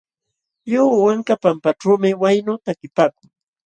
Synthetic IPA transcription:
ʎowwaŋkapampaʈ͡ʂawmɪwajnʊt̪akɪpaːkʊŋ

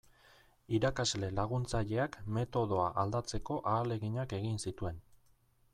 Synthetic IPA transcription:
iɾakazle̞laɣunt͡saʎe̞akme̞t̪o̞ð̞o̞aʔald̪at͡se̞ko̞ʔaːle̞ɣiɲake̞ɣinsit̪ue̞n

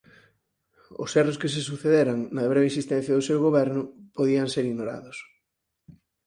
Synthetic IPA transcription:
ʊ̰sɛroskes̬esuθeðeɾaŋnɐβ̞ɾeβeinsist̪ɛ̃n̟θjɐðʊsewɣoβɛɾnʊpoðiɐŋseɾiɣnoɾa̰ðʊs

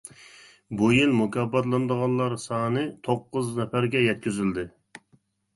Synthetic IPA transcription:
bujilˠmukʲɑbɑt̪lˠɨnd̪əʁɑnlˠɑɾsɑːnɨt̪ʰoqːʊznɛfæɾɡʲɛjɛt̪̚kʲyzyld̪ɪ

